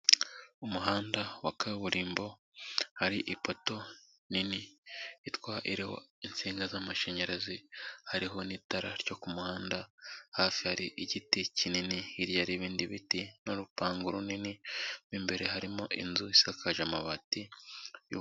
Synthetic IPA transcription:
umuɦaːndawakaβuɾiːmbo̞ | haɾiʔipo̞to̞ | niniitwaʔiɾeho̰int͡siːŋɡazamaʃeɲeɾazihaɾiɦo̞nitaɾa̰ɾɟo̞kumuhaːndahafihaɾiʔiɟiticininiːɾjaɾiβiːndiβitinoɾupaːŋɡuɾuniniβimbe̞ɾe̞ɦaɾimoʔḭnzuisakʰaʒamaβatij̰

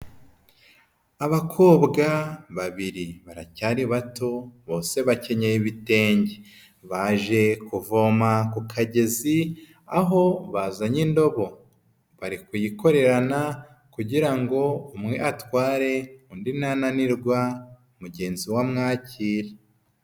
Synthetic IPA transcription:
aβakʰo̞ːbɡaβaβiɾiβaɾacaːɾiβato̞βo̞ːse̞βace̞ɲejiβite̞ːɲɟe | βaʒe̞kuvo̞makukʰaɟezi | aɦo̞βazaɲindo̞βo̞ | βaɾikujiko̞ɾe̞ɾana | kuɟiɾaŋɡo̞umŋe̞ʔatwaːɾe̞undinananiɾɡwa | umuɟe̞ːnziwamŋaːciːɾe

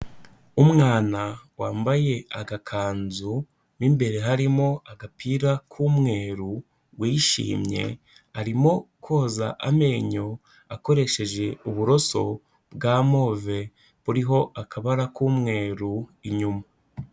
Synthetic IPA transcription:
umŋaːnawaːmbaje̞aɡakʰaːnzu | nimbe̞ɾe̞ɦaɾimo̞aɡapʰiːɾakʰuːmŋe̞ːɾu | ɡwiʃḭːmɲe̞̰ | aɾimo̞kʰo̞ːza̰ʔame̞ːɲo̞ | ako̞ɾe̞ʃe̞ʒe̞uβuɾo̞so̞̰ | bɡaːmo̞ːve̞ | βuɾiɦo̞ʔakʰaβaɾakʰuːmŋe̞ːɾuiɲuma

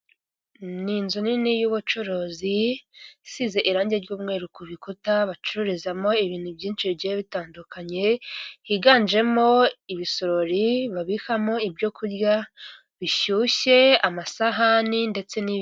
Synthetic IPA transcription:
ninzuninijuβut͡ʃuɾozi | size̞ʔiɾaːɲɟe̞ɾɟuːmŋe̞ːɾukuβikutaβat͡ʃuɾuɾizamo̞iβiːn̥hubjiːnt͡ʃiɾɟeeβitaːndukʰaɲe̞hiɡaːnd͡ʒe̞mo̞iβisoɾoɾiβaβihamo̞ibɟokuɾɡa | βiʃuːʃe̞amasaɦaninde̞t͡se̞ni

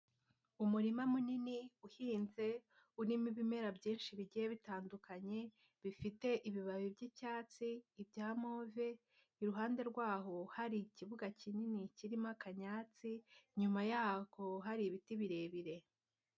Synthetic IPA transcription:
umuɾimamuniniuhiːnze̞ | unimiβime̞ɾabɟiːnʃiβiɟijeβitaːndukaɲe̞ | βifite̞ʔiβiβaβibɟicaːt͡siːbɟaːmoːveː | ɾuɦaːnde̞ɾɡwaːɦo̞haɾiciβuɡacininiciɾimakaɲaːt͡siɲumajaːko̞ɦaɾiβitiβiɾe̞βiɾe̞

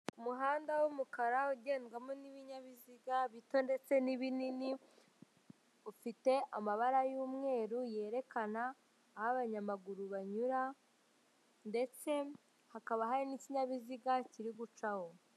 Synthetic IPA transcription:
umuɦaːndawumukaɾauɟe̞ːnɡwamoniβiɲaβiziɡaβito̞nde̞t͡se̞niβinini | ufite̞ʔamaβaɾajuːmŋe̞ːɾuje̞ːɾe̞kanaː | haβaɲamaɡuɾuβaɲuɾa | nde̞t͡se̞ | hakaβaɦaɾiniciɲaβiziɡaciɾiɡut͡ʃaho̞

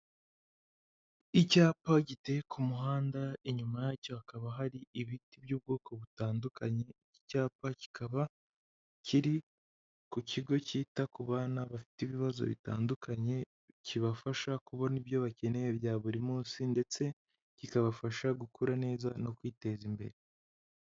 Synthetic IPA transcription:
icaːpaɟite̞jekʰumuɦaːndaeɲumajacohakaβaɦaɾiiβitibjuːb̚ɡoːko̞βutaːndukaɲe̞ici̥caːpaci̥kʰaβa | cʰiɾi | kuciɡo̞ciːtakuβaːnaβafi̥tiβiβazo̞̰βḭta̰ːndukʰaɲe̞ | ciβafaʃakuβaniβjo̞βace̞ne̞jeβjaːβuɾimuːsinde̞t͡se̞ | cikaβafaʃaɡukʰuɾane̞ːzano̞kwiːte̞zimbe̞̰ɾe

